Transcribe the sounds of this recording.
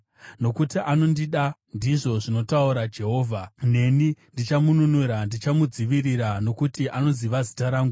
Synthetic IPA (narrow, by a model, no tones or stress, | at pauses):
no̞kutiʔano̞ndiɗandiʐo̞ʐino̞tauɾad͡ʒe̞ɦo̞ːvʱane̞nindit͡ʃamununuɾandit͡ʃamud͡ziʋiriɾano̞kutiʔano̞ziʋazitaɾaːŋɡu